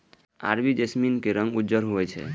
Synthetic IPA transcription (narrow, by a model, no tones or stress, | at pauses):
a̰ɾbid͡ʒesminkeɾə̃ŋɡud͡ʒəɾɦoɛt͡ʃʰɛ̰